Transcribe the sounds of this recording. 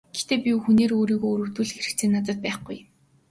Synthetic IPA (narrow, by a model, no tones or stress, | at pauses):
ɡ̥et̪eːpʲiuxuneːɾoːɾiːɣoːuɾŭwt̪uːɮxeɾɘ̆kt͡sʰeːnːat͡sə̆t̪̚pæːχɡuj